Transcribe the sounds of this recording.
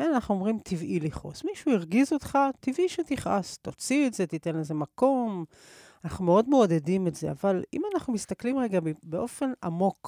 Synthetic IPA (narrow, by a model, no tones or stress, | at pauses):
eanaχnuo̞mʁimt̪ʰivʔiliχo̰smiʃuiʁɡizo̞t̪χat̪ivʔiʃet̪iχʔa̰st̪o̞t͡sietze̞t̪it̪e̞nezemako̞m | anaχnumeo̞d̪mo̞ːd̪e̞dimetze̞avalḭmanaχnumist̪aklimʁeɡabbeʔo̞fe̞na̰mo̞k